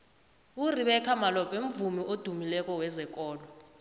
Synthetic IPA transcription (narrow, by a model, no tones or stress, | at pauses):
uriɓɛkʰamalɔpʼem̩vumiʔod̥ʱumilɛkʼɔwɛzɛkʼɔːlɔ